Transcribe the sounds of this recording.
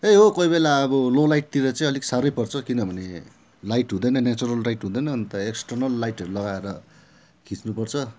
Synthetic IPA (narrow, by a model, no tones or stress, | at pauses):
eɦokʌibelaʌbʌlolajʈ̚t̪iɾʌt͡saĩʌliksaɾʌjpʌrt͡sʰʌkinʌbʱʌne | lajʈɦũd̪ʌjnʌnat͡suɾʌlrajʈɦũd̪ʌjnʌːnt̪ʌeksʈʌrnʌlːajʈʌɾulʌɡaeɾʌ | kʰĩt͡snupʌrt͡sʰʌ